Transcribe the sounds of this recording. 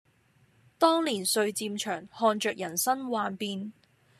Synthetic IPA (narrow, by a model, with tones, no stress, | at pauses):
t̪ɔː˥ŋliː˨˩nsɵ˧ɥt͡siː˧mt͡ʃʰœː˨˩ŋhɔː˧nt͡ʃœː˨k̚jɐ˨˩nsɐ˥nwaː˧npiː˧n